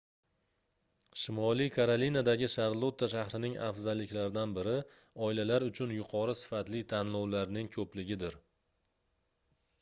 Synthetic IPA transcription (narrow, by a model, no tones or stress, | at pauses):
ʃɪmɒlˠikʰaɾalinad̪aɡʲɪʃaɾlˠot̪ʰːaʃahɾɪnɪŋa̰fzalːɪkʲlaɾɪd̪anbɪɾɪ | ɒɪlalaɾʊt͡ʃʰʊnjʊqʰɒɾɨsɪ̥fat̪lɪt̪ʰanlɒwlaɾnɪŋkʰɵplɪɡʲɪd̪ɪɾ